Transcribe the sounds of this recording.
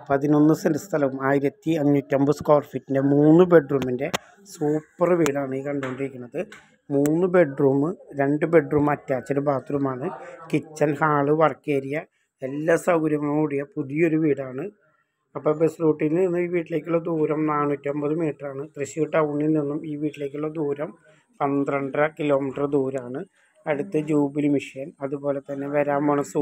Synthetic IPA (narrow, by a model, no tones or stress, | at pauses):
pɐðino̞nːɨsidɐst̪ʰɐlɐʋumaːjiɾɐt̪ːiɐɲːutːɐmbɨskoːrfitːindemuːnːɨbe̞ɖruːmːinde̞ | suːpːɐrʋiːɽaːɳɨiːkɐɳɖooɳɖiɾikʲːunːɐðɨ | muːnːɨbe̞ɖruːmɨɾe̞ɳɖɨbe̞ɖruːmɐtːjaːt͡ɕːɐɾɨbaːt̪ʰːuɾumaːɳɨkit͡ɕːɐlhaːɭɨʋɐrkeːɾijɐ | elːɐsɐwɾɐmɐmuɽijɐpuðijo̞ɾuʋiːɽaːɳɨ | ɐpːɐbesruːʈːinninːumiːʋiːʈːile̞ːk̬ʲːulɭːɐd̪uːɾɐmnaːnːuːɐtːiɐmbɐðɨmiːʈːɐraːɳɨt̪rɨɕiʋiʈːɐuɳːilninːumiːʋiːʈːileːk̬ʲːuɭːɐd̪uːɾɐm | pɐnd̪rɐɳɖrɐkilo̞ːmiʈːɐrd̪uːɾɐaːɳɨ | ɐɽut̪ːɐd͡ʑuːbilmiʂɐjɐnɐðubo̞ːle̞t̪ɐnːe̞ʋɐɾaːmɐɳɐsu